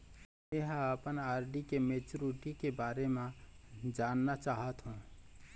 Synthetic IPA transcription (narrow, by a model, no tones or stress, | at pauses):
eɦəpənaːɾɖikemeːt͡ʃuɾiʈikebaːɾemẽd͡ʒaːnːat͡ʃaːɦət̪ɦũ